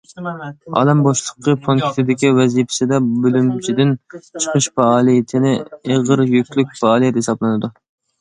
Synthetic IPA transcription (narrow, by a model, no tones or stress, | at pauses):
ɑ̰lˠɛmboʃlˠəqːəpʰonk̪ʲʰɪ̥t̪ʰɪd̪ɪkʲiwɛzipʰɪ̥sɪd̪ɛbølymt͡ʃʰid̪ɪnt͡ʃʰə̥qʰəʃfɑːlˠijit̪ʰɪnɪeʁəɾjykʲlyk̚ʲfɑɑːlˠijɛt̪hesɑblˠɨnɨd̪u